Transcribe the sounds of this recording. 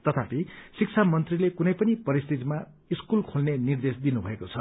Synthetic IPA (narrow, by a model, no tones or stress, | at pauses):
t̪ʌt̪ʰapisik̚t͡sʰamʌnt̪rilekunʌjpʌnipʌɾist̪it̪ima | iskulkʰolnenird̪esd̪inubʱʌekot͡sʰʌ